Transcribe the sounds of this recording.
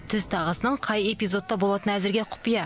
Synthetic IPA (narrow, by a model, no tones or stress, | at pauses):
t̪ʰʏzt̪ʰɑʁəsənəɴqʰɑje̞pijzo̞t̪ːɑbo̞lˠɑt̪ənæzɪɾɡʲeqʰʊ̥pijɑ